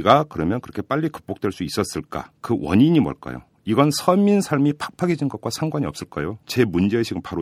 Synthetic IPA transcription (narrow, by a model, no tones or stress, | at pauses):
ɡakɯɾʌmjʌnkɯɾʌkʰe̞p͈aʎːikɯ̥p̚p͈ok̚t͈we̞ɭs͈uis͈ʌs͈ɯɭk͈a̰kɯwʌ̰ɲiɲimʌ̰ɭk͈a̰jo̰ | iɡʌnsʰʌminsʰaɭmipʰḁk̚pʰaɡed͡ʑinɡʌt̚k͈wasʰaŋɡwaɲiʌps͈ɯɭk͈a̰jot͡ɕe̞mund͡ʑe̞ɕʰiɡɯnpaɾo